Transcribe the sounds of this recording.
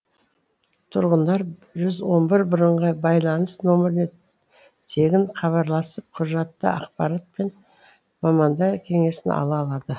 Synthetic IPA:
t̪ʰʊɾʁənd̪ɑɾʒʏzwo̞nbɪɾbʊɾəɴʁɑbɑjlˠɑnəsno̞mɪɾɪne | t̪ʰe̞ɡʲɪɴqʰɑβɑɾlˠɑsəp̚qʰʊʒɑt̪ːə̰ɑ̰qpɑɾat̪̚pe̞n | mɑmɑnd̪ɑkʲʰe̞ŋe̞sɪnɑ̰lˠɑːlˠɑd̪ə

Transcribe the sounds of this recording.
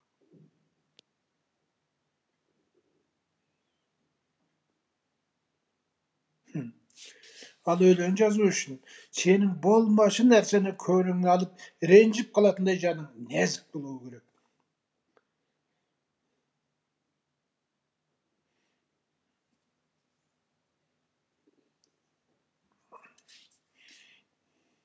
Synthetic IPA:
ɑlˠɵjleɾɪnʒɑzuʏʃɪn | se̞nɪŋbo̞lˠmɑʃənæɾse̞nɪkʲʰɵɾɪŋɪnɑlˠəp̚ɾe̞nʒɪp̚qʰɑlˠɑt̪ənd̪ɑjʒɑnəɴnæzɪk̚bo̞lˠuwəkʲʰe̞ɾe̞k̚

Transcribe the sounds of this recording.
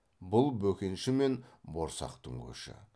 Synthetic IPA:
bʊlˠbɵkʲe̞nʃɪme̞nboɾsɑ̰qt̪ʰɵ̰ŋɡʲɵ̰ʃɪ̰

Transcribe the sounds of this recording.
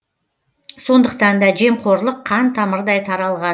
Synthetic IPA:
so̞nd̪əq̚t̪ɑnd̪ɑʒe̞mqʰo̞ɾlˠəqʰːɑnt̪ʰɑməɾd̪ɑjt̪ʰɑɾɑlˠʁɑ

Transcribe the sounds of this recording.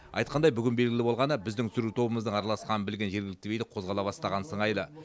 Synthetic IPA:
ɑ̰jt̪qɑnd̪ɑjbʏɡʲɪnbe̞lɡʲɪlʲɪbo̞lˠʁɑnəbɪzd̪ɪŋt̪ʏsʏɾut̪ʰo̞bəməzd̪əɴɑɾɑlˠɑsqɑnəbɪlɡʲe̞nʒe̞ɾɡʲɪlɪk̚t̪ebejd̪ɪqʰo̞zʁɑlˠɑβɑst̪ɑʁɑnsəɴɑjlˠə

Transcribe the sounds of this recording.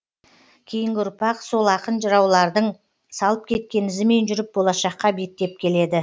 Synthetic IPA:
kʲʰejɪŋɡʲɪʊɾpɑqso̞lˠɑqənʒəɾɑwlˠɑɾd̪əɴ | sɑlˠəp̚kʲʰe̞t̪̚kʲe̞nɪzɪme̞nʒʏɾɪp̚bo̞lˠɑʃɑqːɑbe̞k̚t̪e̞p̚kʲʰe̞le̞d̪ɪ

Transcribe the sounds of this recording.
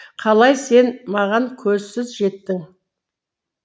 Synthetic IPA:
qʰɑlˠɑjse̞nmɑʁɑŋkʲʰɵzsɪzʒe̞t̪ːɪŋ

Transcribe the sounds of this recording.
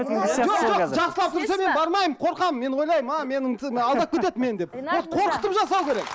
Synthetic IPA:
ʒoʒoʒɑqsəlˠɑp̚t̪ʰʏɾseme̞nbɑɾmɑjəmqʰo̞ɾqɑmme̞nwo̞jlˠɑjəmɑme̞nɪŋɑlˠd̪ɑp̚kʲʰet̪e̞t̪me̞nd̪e̞ppot̪qʰo̞ɾqə̥t̪əpʒɑs̬ɑwkʲʰe̞ɾek

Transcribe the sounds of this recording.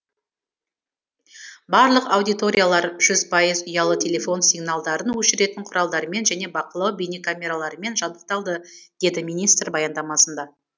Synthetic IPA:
bɑɾlˠəqɑwd̪ijt̪o̞ɾʲijalˠɑɾʒʏzpʰɑjəzʊjɑlˠət̪ʲʰe̞lʲe̞fo̞nsʲiɡnalˠd̪ɑɾənwɵʃɪɾe̞t̪ɪɴqʰʊɾɑlˠd̪ɑɾəme̞nʒæne̞bɑqəlˠɑwbinekamʲe̞ɾalˠɑɾəme̞nʒɑd̪əq̚t̪ɑlˠd̪əd̪̥e̞d̪ɪmijnijst̪ɾbɑjɑnd̪ɑmɑsənd̪ɑ

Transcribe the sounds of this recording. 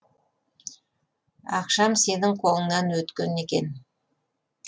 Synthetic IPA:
ɑqʃɑmse̞nɪŋqʰo̞lˠəɴːɑnwɵt̪kʲene̞kʲe̞n

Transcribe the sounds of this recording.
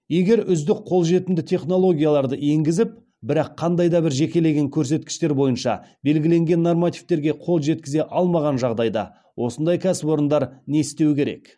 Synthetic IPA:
je̞ɡʲe̞ɾʏzd̪ɪk̚qʰo̞lˠʒe̞t̪ɪnd̪ɪt̪ʰe̞χno̞lˠo̞ɡʲijalˠɑɾd̪əe̞ŋɡʲɪzɪp̚ | bɪɾɑqʰːɑnd̪ɑjd̪ɑbɪɾʒe̞kʲe̞le̞ɡʲe̞ŋkʲʰɵɾs̬e̞t̪̚kʲɪ̥ʃt̪e̞ɾbo̞jənʃɑ̰be̞lɡʲɪle̞ŋɡʲe̞nːormat̪ijft̪e̞ɾɡʲe̞qʰo̞lˠʒe̞t̪̚kʲɪze̞ʔɑlˠmɑʁɑnʒɑʁd̪ɑjd̪ɑ̰ | wʔo̞sənd̪ɑjkʲʰæsɪpo̞ɾənd̪ɑɾne̞st̪ewɪkʲeɾe̞̰k

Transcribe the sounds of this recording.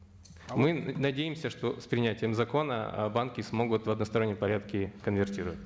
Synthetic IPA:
mɨnɐdʲejɪmsʲəʂt̪o̞spɾʲɪnʲætʲɪjəmzɐko̞nə̰bankʲɪsmo̞ɡʊt̪vɐd̪nəst̪ɐɾonʲːjəmpɐɾʲat̪kʲɪkənvʲɪrtʲiɾəvətʲ

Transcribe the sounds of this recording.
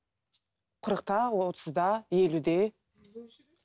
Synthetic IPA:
qʰəɾəqt̪ɑwot̪ʰəzd̪ɑje̞lud̪e

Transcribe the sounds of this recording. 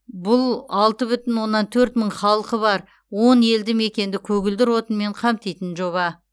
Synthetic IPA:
bʊlˠɑlˠt̪əbʏt̪ɪnwo̞nːɑnt̪ʰɵɾt̪məɴχɑlˠqəβɑɾ | wo̞ne̞ld̪ɪme̞kʲe̞nd̪ɪkʲʰɵɡʲɪld̪ɪɾwo̞t̪ənme̞ɴqʰɑmt̪ijt̪ɪnʒo̞βɑ

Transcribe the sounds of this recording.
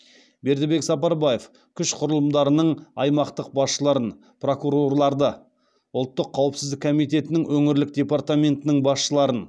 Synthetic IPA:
be̞ɾd̪ɪbe̞ksɑpɑɾbaje̞f | kʲʰʏʃqʰʊɾəlˠəmd̪ɑɾənəɴɑjmɑqt̪əq̚bɑsʃəlˠɑɾən | pro̞kuɾo̞rlˠɑɾd̪ə | ʊlˠt̪ːəqʰːɑwəpsɪzd̪ɪkːʰomijt̪̬e̞t̪ɪnɪŋwʔɵŋɪɾlɪk̚d̪ʲe̞part̪amʲe̞nt̪ɪnɪŋbɑsʃəlˠɑɾən

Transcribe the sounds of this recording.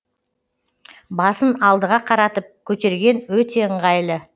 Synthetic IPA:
bɑsənɑlˠd̪əʁɑqʰɑɾɑt̪əp̚kʲʰɵt̪e̞ɾɡʲe̞nwɵt̪e̞əɴʁɑjlˠə

